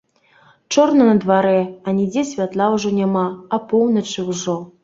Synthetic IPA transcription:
t͡ʂornɐnɐd̪vaɾɛanʲid͡zʲesʲvʲat̪lˠawʐɔnʲamaːpownɐt͡ʂɨwʐɔ

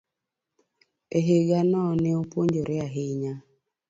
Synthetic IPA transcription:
eɦeɡanɔːneopʷoɲd͡ʒoɾɪaɦɪɲa

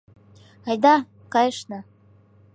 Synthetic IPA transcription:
ajd̪a | kajʂna

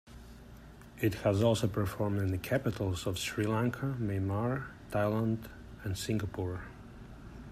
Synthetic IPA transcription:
ɪt̚həzɔlˠsoʊpʰə˞fɔɹmdɨ̃nðɨkʰæpɨɾl̩ˠzʌv̥sɹilæ̃ŋkʰəmeɪmɑɹtʰaɪlˠə̃nd | ɨ̃nsɪ̃ŋɡəpʰuɹ

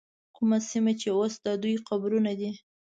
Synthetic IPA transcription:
kumasimat͡ʃeosd̪ɑd̪ujqabɾunad̪i

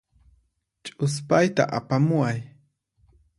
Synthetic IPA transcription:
t͡ʃʼʊspajt̪a̰ʔapamʊaj

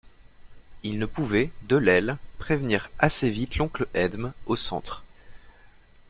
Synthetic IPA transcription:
ilnəpuvɛd̪əlɛlpχevniʁasevit̪lɔ̃kləʔɛd̪mosɑ̰̃t̪χ

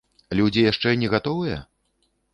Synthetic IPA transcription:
alʲɛd͡zʲijaʂt͡ʂɛnʲɛɣat̪ɔvɨjɐ̰

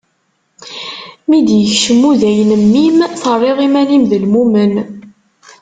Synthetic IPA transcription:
mid̪jəçʃəmːuðæjənəmːimθərˤːeʁimænimðəlmumən

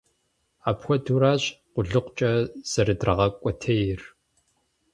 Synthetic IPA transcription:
aːpxʷɔduːɾaːɕʼqʷʊɮɨqʷt͡ʃʼɐz̥ɐrɨdrɐʁɐkʷʼɔtʰɐjɪr

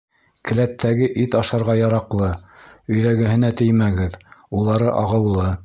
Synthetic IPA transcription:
kɘ̆læt̪ʰːæɡɘʔit̪ɑʃɑɾʁɑjɑɾɑqlˠɤɵ̆jðæɡɘ̆ɦɘ̆næt̪ɘ̆jmæɡɘðulˠɑɾɤʔɑʁɤ̆wlˠɤ

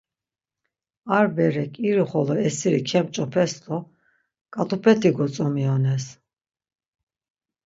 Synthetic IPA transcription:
aɾbɛɾɛkʰʼiɾiχɔlɔɛsiɾikʰɛmt͡ʃʼɔpʰɛsd̪ɔ | kʼat̪ʼupʰɛt̪ʰiɡɔt͡sʼɔmiɔnɛs

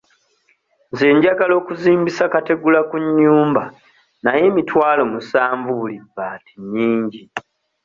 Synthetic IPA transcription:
nze̞ːɲɟaɡalo̞ːkuziːmbisakate̞ɡulakuɲːuːmba | naje̞ːmitʰwaːlo̞musaːɱvuβulibːaːtiɲiːɲɟi

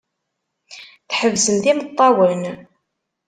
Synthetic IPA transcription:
θħəvsəmt̪imət̪ˤːɑwən

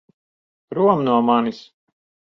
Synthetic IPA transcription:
pɾuɔmnuɔmanis

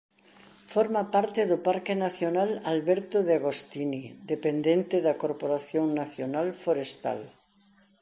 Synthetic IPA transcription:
foɾmapaɾt̪eðopaɾkenaθjonalalβeɾt̪oðeaɣ̞ost̪inid̪epend̪ent̪eðakoɾpoɾaθjoŋnaθjonalfoɾest̪a̰l

